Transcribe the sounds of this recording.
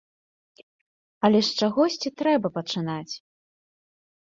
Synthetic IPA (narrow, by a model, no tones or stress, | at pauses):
ɐlʲɛʂt͡ʂaɣɔsʲt͡sʲit̪ɾɛbɐpɐt͡ʂɨnat͡sʲ